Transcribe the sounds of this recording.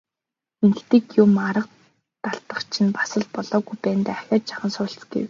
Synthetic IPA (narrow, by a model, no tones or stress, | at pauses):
enɘ̆kt̪iːkjʊmaɾə̆q̚ | t̪aɮt̪ə̆χt͡ɕʰɪ̆npḁsə̆ɮpɔɮɔːɣujpæːnt̪æːaxʲɔːt͡ɕt͡ɕḁχə̆nsʊːɬt͡sɡḛw